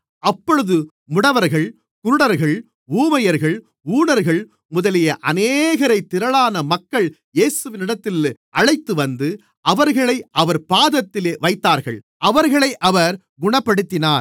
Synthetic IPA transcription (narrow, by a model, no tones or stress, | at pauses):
ɐpːɔɻɯðɯ | mʊɽɐʋɐɾɣɐɭ | kʊɾɯɽɐɾɣɐɭ | uːmɐjɐɾɣɐɭ | uːɳɐɾɣɐɭ | mʊðɐlɪjɐʔɐneːɣɐɾɐɪt̪ːɪɾɐɭaːnɐmɐkːɐɭ | jeːsɯʋɪnɪɽɐt̪ːɪlʔɐɻɐɪt̪ːɯʋɐnd̪ɯ | ʔɐʋɐɾɣɐɭɐɪʔɐʋɐɾpaːðɐt̪ːɪleːʋɐɪt̪ːaːɾɣɐ̰ɭ | ʔɐʋɐɾɣɐɭɐɪʔɐʋɐɾ | ɡʊɳɐpːɐɽɯt̪ːɪnaːɾ